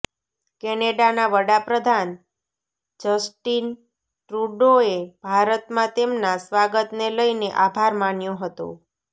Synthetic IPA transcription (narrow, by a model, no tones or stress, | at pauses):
kɛneɖanaʋəɽapɾəd̪ʱan | d͡ʒəsʈin | ʈɾuɖoeb̥ʱaɾət̪mãt̪emnasʋaɡət̪neləjneʔabʱaɾmanjõɦət̪o̰